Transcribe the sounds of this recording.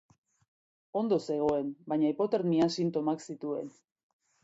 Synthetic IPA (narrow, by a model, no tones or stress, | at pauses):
o̞nd̪o̞se̞ɣ̞o̞e̞mbajɲaipo̞t̪eɾmiasint̪o̞maksit̪ue̞n